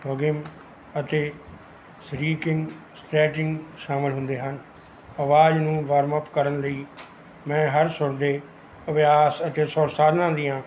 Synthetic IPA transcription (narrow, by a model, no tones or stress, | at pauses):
pəɡɪm | ət̪eː | sɾiːkɪ̃ŋɡ | sʈɛːʈɪŋɡʃaːməlɦʊ̃nd̪eːɦən | əʋaːznũːʋəɾməpkəɾənləiː | mɛ̃ːɦəɾsʊɾd̪eː | əʋjaːsət̪eːsɔːɾsaːd̪nãːd̪iːãː